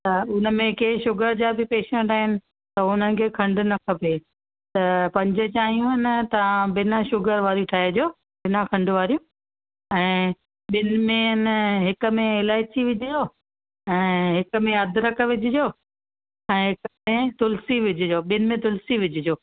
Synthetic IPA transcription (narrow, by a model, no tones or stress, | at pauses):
t̪ɐʊnə̆mẽkeːɦɪʃʊɡəɾd͡ʑaːbʱɪpeːʃɛ̃ɳʈaːɦɪnɪ̆ | t̪ɐʊnənɪ̆kʰeːkʰɐ̃ɳɖʊ̆nɐkʰɐpe | t̪ɐpɐ̃ɲd͡ʑʊ̆t͡ɕaːɦijũɦɪnɪ̆t̪ɐãɓɪnaʃʊɡəɾʋaːɾiʈʰaːed͡ʑoː | ɓɪnakʰɐ̃ɳɖʊʋaːɾijũ | ɛ̃ː | ɓɪnmẽnɦɪkə̆mẽɪlaːɪt͡ɕiʋɪd͡ʑʱɪd͡ʑoː | ɛ̃ːɦɪk̆mẽɐd̪ʱɾɐk̆ʋɪd͡ʑʱɪd͡ʑoː | ɛ̃ːɦɪkmẽt̪ʊlsiʋɪd͡ʑʱɪd͡ʑoːɓɪnɪmẽt̪ʊlsiʋɪd͡ʑʱɪd͡ʑoː